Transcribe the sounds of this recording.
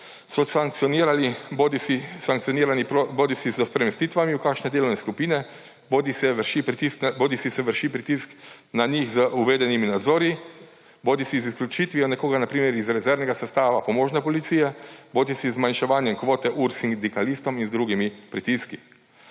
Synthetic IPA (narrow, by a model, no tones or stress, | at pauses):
sɔsaŋk̚t̪sɔniɾalibod̪isisaŋk̚tsijɔniːɾanioboːd̪isizəspɾɛmɛst̪iːt̪ʋamiukaːkʃnɛd̪eːlɔwnɛskupiːnɛ | bod̪isɛʃipt̪iskboːd̪isisɛʋəɾʃipɾit̪isknaɲixzəʔuʋeːd̪ɛniminad̪zoːɾji | boːd̪isizisklʲut͡ʃit̪ʋijɔnɛkoːɡanapɾiːmɛɾizɾɛzɛɾnɛɡasɛst̪aːʋapɔmoːʒnɛpɔlit̪siːjɛboːd̪isizmanʃɛʋaːnjɛmkʋoːt̪ɛʔuɾsind̪ikalist̪ɔminzd̪ɾuɡimipɾit̪iski